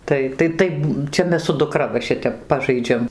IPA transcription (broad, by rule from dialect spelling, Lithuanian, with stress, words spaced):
ˈtɐɪ tɐɪ ˈtɐɪp ˈt͡ʃʲɛ ˈmʲɛs sʊ dʊˈkrɐ ʋɐ ˈʃʲɪtʲɛp ˈpɑːʒɐɪd͡ʒʲɛm